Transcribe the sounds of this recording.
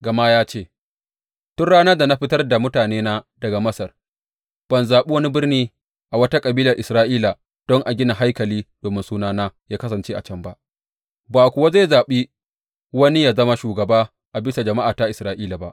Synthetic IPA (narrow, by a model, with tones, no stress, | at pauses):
ɡɐ˨ma˦jaː˦t͡ʃeː˦˨ | tʊ˦nɽaː˦nɐ˦da˨na˦ɸɪ˦tɐ˦rda˨mʊ˦taː˨neː˦naː˦dɐ˨ɡa˨mɐ˦sɐ˨r | b̥ɐ˨nzaː˨ɓe˦wɐ˦ni˦bɪ˦rniː˦ | ʔa˨wɐ˦ta˦kʼɐ˨biː˦lɐ˨rʔɪ˨sɾaː˦ʔiː˦la˨ | d̥ɔ˦ŋʔa˨ɡʲɪ˦na˨ɦa˦jkɐ˨liː˦d̥oː˨mɪ˦nsuː˦naː˦naː˦jaː˦kɐ˦s̬ɐ˨nt͡ʃeː˦ʔa˨t͡ʃɐ˦mba˦ʔ | baː˨kʷʊ˨wa˦za˦˨zaː˨ɓi˦ | wɐ˦ni˦jaː˦zɐ˦ma˦ʃuː˨ɡɐ˨baː˦ | ʔa˨bɪ˦sa˨d͡ʒɐ˨ma˦ʔaː˨ta˦ʔɪ˨sɾaː˦ʔiː˦la˨ba˦ʔ